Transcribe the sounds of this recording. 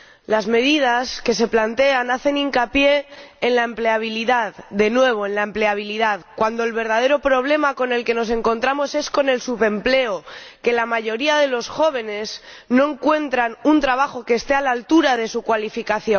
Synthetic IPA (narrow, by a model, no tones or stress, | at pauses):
lazme̞ð̞ið̞aske̞s̬e̞plant̪e̞anaθe̞niŋkapje̞ːnlaemple̞aβ̞iliðaððe̞nwe̞β̞o̞enlaemple̞aβ̞iliðaðkwand̪oelβe̞ɾð̞að̞e̞ɾo̞pɾo̞βle̞mako̞ne̞lke̞no̞s̬e̞ŋko̞nt̪ɾamo̞se̞sko̞ne̞lsuβe̞mple̞oke̞lamaʝo̞ɾiaðe̞lo̞sxo̞β̞e̞ne̞z | no̞e̞ŋkwe̞nt̪ɾanunt̪ɾaβ̞axo̞ke̞ːst̪e̞alalt̪uɾaðe̞sukwalifikaθjon